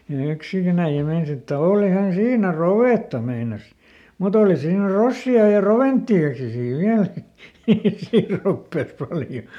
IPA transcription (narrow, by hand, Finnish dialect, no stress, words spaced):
jɑ jɑ yksikin æij̆æ meinɑs etːæ oːlihɑn siːnæ roʋeˑtːɑ meinɑs mut oːli siːnæ rosːiɑ jɑ roʋentːiɑki siː ʋiæl siː ropːeˑs pɑljo